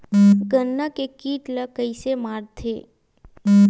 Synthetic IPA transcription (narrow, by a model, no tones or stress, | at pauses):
ɡənːakekiːʈləkəɪsemaːɾt̪ʰeː